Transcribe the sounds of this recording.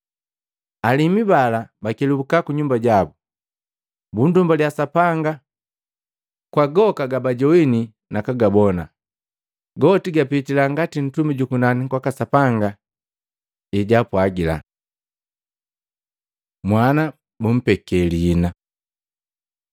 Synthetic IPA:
alimibalabakɛlubukakuɲumbaɟabu | bundumbaljasapaŋɡa | kwaɡɔkaɡabaɟɔini | nakaɡabɔna | ɡɔtiɡapitilaŋɡatin̩tumiɟukunanikwakasapaŋɡa | iɟapwaɡila̰ | mwana | bum̩pɛkɛliːna

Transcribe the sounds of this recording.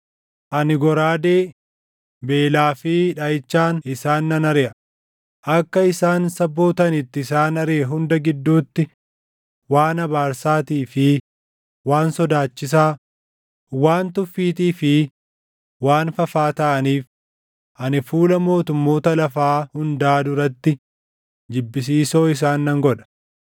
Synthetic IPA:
ʔɐnɪɡɔɾaːd̪eː | be̞ːlaːfɪᶑɐjɪt͡ʃːaːnɪsaːnːɐnɐɾɛʔɐ | ʔɐkːɐɪsaːnsɐbːo̞ːt̪ɐnɪt̪ːɪɪsaːnɐɾeːɦʊnd̪ɐɡɪd̪ːuːt̪ːɪ | waːnɐbaːɾsaːt̪iːfɪ | waːnsɔd̪aːt͡ʃːɪs̬aː | waːnt̪ʊfːiːt̪iːfɪ | waːnfɐfaːt̪ɐʔɐniːf | ʔɐnɪfuːlɐmo̞ːt̪ʊmːo̞ːt̪ɐlɐfaːhʊnd̪aːd̪ʊɾɐt̪ːɪ | d͡ʒɪbːɪs̬iːso̞ːɪs̬aːnːɐŋɡɔᶑɐ̥

